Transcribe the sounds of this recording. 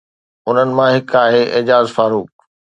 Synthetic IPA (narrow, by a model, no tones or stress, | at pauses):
ʊn̤ənɪ̆mãɦɪkaːɦeʔɪːd͡ʑaːzfaːɾuːk